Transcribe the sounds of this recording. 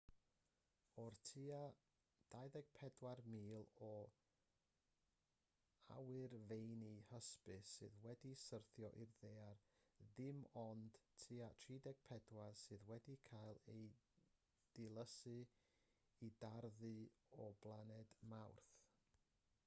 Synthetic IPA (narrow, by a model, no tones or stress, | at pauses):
ɔrtʰia | d̥ajðɛɡ̥̚pʰɛdwarmiːlˠɔ | a̰wɨrvejnihəspɨsɨ̰ðwɛdisərθjɔʔirðeːarðɪmɔnd̥tʰiːatʰriːdɛɡ̥̚pʰɛdwarsɨːðwɛdikʰajlˠej | d̥ɪlˠəsɨ | idarðɨɔblˠanɛdmawrθ